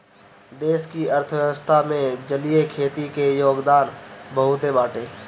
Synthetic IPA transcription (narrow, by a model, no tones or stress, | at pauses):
d̪eːskiəɾt̪ʰəʋjəʋəst̪ʰamẽd͡ʒəlijekʰeːt̪ikejoːɡd̪aːnbəɦʊt̪ebaːʈeː